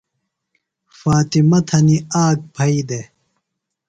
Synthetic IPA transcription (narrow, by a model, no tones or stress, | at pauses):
faːt̪imɐt̪ʰɐniaːk̚bʰʱɐid̪e